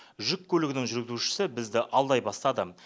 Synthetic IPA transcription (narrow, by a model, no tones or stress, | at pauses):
ʒʏkʲʰːɵlɪɡʲɪnɪŋʒʏɾɡʲɪzuʃɪ̥sɪbɪzd̪ɪʔɑlˠd̪ɑjbɑst̪ɑd̪ə